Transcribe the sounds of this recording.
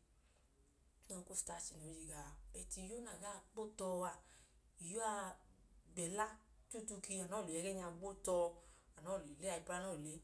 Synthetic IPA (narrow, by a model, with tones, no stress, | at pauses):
tu˦nã˧ko˦˨sta˨ti˨nĩ˨˦d͡ʒi˧ɡa˧bɛ˨ti˧jo˦na˨ɡa˦˨ɡ͡bo˦tɔ˧a˨i˨jo˨˦a˧ | ɡ͡bɛ˨la˦ | tu˦˨tu˧ki˧a˨nã˨˦˨u˨ɛ˨˧ɡɛ˦ɲ˦˧a˧ɡ͡bo˦tɔ˧a˨nɔ̃˨˦˨lo˨i˨le˦a˧i˧ba˦nɔ̃˦˨le˨˦